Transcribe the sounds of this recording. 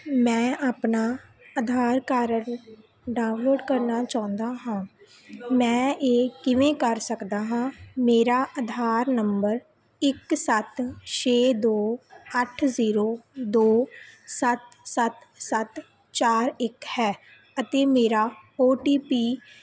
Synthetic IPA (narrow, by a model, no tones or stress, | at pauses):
mɛ̃ːaːpnaːəd̪ʱaːɾkəɾəɾ | ɖaːʊ̃nloːɖkəɾnaːt͡ʃaːʊ̃nd̪aːɦãː | mɛ̃ːeːkɪʋẽːkəɾsəkd̪aːɦãːmeːɾaːʔəd̪ʱaːɾnəmbəɾ | ɪksət̪t͡ʃʰeːd̪oːəʈʰziːɾoːd̪oːsət̪sət̪sət̪ | t͡ʃaːɾɪkhɛː | ət̪eːmeːɾaːoːʈiːpiː